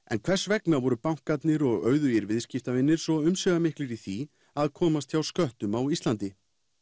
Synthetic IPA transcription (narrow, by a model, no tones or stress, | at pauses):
ɛ̰nkʰv̥ɛr̥svɛknavɔɾʏpawŋ̥kat̪nɪɾɔɣœːɥðʏiɾvɪðscɪft̪avɪnːɪɾ̥sɔʏmsœːɣamehklɪɾiθi | aðkʰɔːmast̪çawskœht̪ʏmawislant̪ɪ